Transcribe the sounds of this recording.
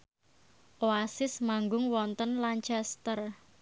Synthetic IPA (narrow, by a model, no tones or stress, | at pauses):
ʔoasɪsmaŋɡʊŋwɔnt̪ənlaɲt͡ʃɛst̪ər